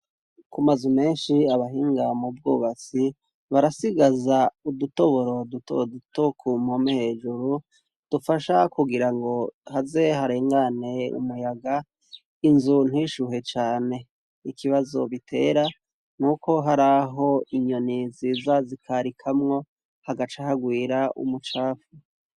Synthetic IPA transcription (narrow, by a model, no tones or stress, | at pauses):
kumazume̞ːnʃiaβaɦiːŋɡamub̚ɡuːβat͡si | βaɾasiɡazauduto̞βo̞ɾo̞duto̰dutokʰumomehe̞d͡ʒuɾu | d̥ufaʃakuɡiɾaŋɡo̞haze̞haɾe̞ːŋɡane̞ṵmujaɡa | inzun̥hiʃuɦe̞t͡ʃaːne̞ | ikiβazo̞̰βitʰe̞ːɾa | nuːko̞ɦaɾaɦo̞iɲo̞niziːzazikʰaɾikʰamŋo̞ | haɡat͡ʃahaɡwiːɾaʔṵmut͡ʃaːfu